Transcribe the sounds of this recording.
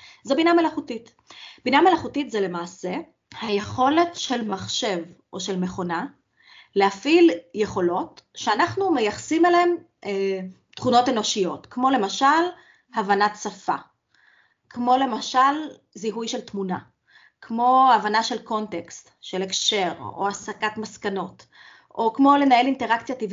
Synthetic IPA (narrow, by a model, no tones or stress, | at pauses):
zebinamelaχutit | b̥iname̞laχutitzele̞maːse̞ | haje̞χo̞le̞tʃe̞lmaχʃe̞vʔo̞ʃelme̞χo̞na | lehafilje̞χo̞lo̞tʃeanaχnumejaχasimelem | ʔe | tχuno̞teno̞ʃijo̞tkmo̞le̞maʃal | havanatsafa | kʰmo̞le̞maʃal | ziɦujʃe̞ltmuna | kʰmo̞avanaʃelko̞ntekst | ʃelekʃe̞ʁo̰asakatmaskano̞t | ʔokmo̞le̞nae̞linte̞ʁakt͡sjativ